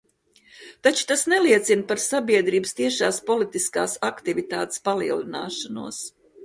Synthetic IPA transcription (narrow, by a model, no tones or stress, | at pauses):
t̪at͡ʃu̥t̪asnɛliɛt̪sinpaɾsabiɛd̪ɾiːbəst̪iɛʃaːspɔlit̪iska̰ːsakt̪ivit̪a̰ːt̪e̥spalˠḭɛlˠina̰ːʃanṵəs